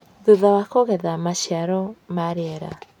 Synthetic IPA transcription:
ðoðawakoɣɛðamaʃiaɾɔmaɾeɛɾa̰

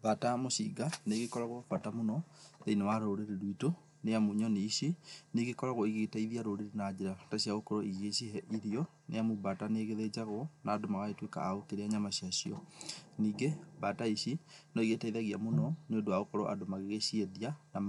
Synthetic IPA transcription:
batamoɕḭɡaneɣekɔɾaɣofatamonɔðeinewaɾoɾeɾeɾwito | neamuɲɔneiɕineɣekɔɾaɣoiɣetaiðiaɾoɾeɾenad͡ʑeɾataɕiaɣokɔɾɔiɣeɕihɛʔiðijɔ | nḛjamubataneɣeðed͡ʑaɣɔnaːdomaɣaetweka̰aokeɾeaɲamaɕiaɕiɔniːɡebataiɕinɔiɣetaiðaɣiamonɔneondoaɣokɔɾɔʔa̰domaɣeɣeɕieðianam

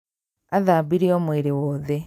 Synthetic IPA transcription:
aðaːbiɾioːmweɾewoðe

